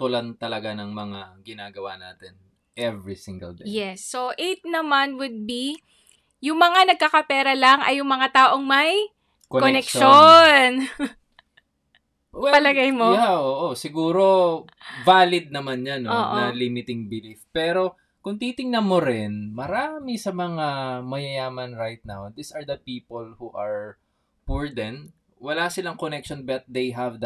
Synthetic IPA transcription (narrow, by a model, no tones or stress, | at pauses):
t̪ʊlant̪ɐlɐɡanɐŋmɐŋaɡɪnaːɡɐwa̰na̰ːt̪ɛn | ʔɛvɹisiŋɡɐ̰ld̪ɛjɛsːoʔejt̪̚nɐmanwʊd̪̚bi | jʊŋmɐŋanɐɡ̚kakɐpɛːɾɐlɐŋɐ̰jːʊŋmɐŋat̪aːʔo̞ŋmɐj | kokoɛnɛkkʃon | wɛpɐlɐɡajmojaʔoːʔosɪɡuːɾo̞ | vaːlɪd̪̚nɐmanɲanooːʔnɐlɪmɪt̪ɪŋbɪlifpɛːɾo̞ | kʊŋt̪it̪ɪŋnɐnmoɾɪnmɐɾaːmɪsɐmɐŋamɐjɐjaːmɐnɹajt̪̚na̰wd̪isɐɹd̪ɐpiːpolhuʔɐɹ | puɹd̪ɛn | wɐlasɪlɐŋkonɛk̚ʃonbɐt̪̚d̪ejɦɐvd̪